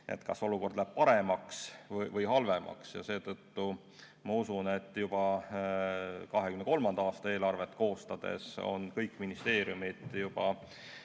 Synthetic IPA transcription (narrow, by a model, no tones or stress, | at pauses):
ʔe̞̰t̪kɑso̞luko̞rd̪læb̥̚pɑɾemɑksvɤvɤjɦɑlve̞mʔɑ̰ksjɑ̰se̞ːt̪ɤt̪ːu | mɑusune̞t̪ːjub̥ɑ | kɑɦekymnko̞lmɑnd̪ɑɑːst̪ɑe̞ːlɑrve̞t̪ːˑko̞ːst̪ɑd̪̥e̞̰so̞̰nkɤjkːˑminist̪e̞ːɾjumid̪̥jub̥ɑ